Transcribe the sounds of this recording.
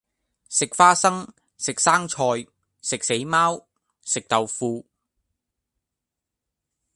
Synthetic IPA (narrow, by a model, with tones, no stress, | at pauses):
sɪ˨k̚faː˥sɐ˥ŋ | sɪ˨k̚saː˥ŋt͡ʃʰɔː˧j | sɪ˨k̚se˨˥jmaː˥w | sɪ˨k̚t̪ɐ˨wfuː˨˧